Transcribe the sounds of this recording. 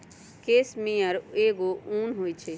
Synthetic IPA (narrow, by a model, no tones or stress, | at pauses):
keːsmĩjəɾeːɡouːnɦoːit͡ʃʰe